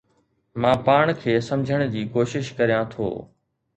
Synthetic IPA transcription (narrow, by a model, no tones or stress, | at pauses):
mãːpaːɽ̃kʰeːsɐ̃md͡ʑʱəɽ̃d͡ʑiːkoːʃɪʃkɐɾijãt̪ʰo̰ː